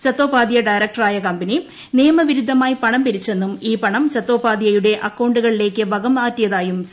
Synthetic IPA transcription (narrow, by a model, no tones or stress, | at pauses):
t͡ɕɐt̪ːo̞ːpaːd̪ijɐɖɐjɾɐk̚ʈɐraːjɐkɐmbɐni | nijɐmɐʋiɾud̪ʱːɐmaːjipɐɳɐmpiɾit͡ɕːe̞nːumiːpɐɳɐmt͡ɕɐt̪ːo̞ːpaːd̪ijɐjuɽe̞ʔɐkːɐwɳɖuɣɐɭile̞ːkʲːɨʋɐɡɐmaːtːijɐðaːjum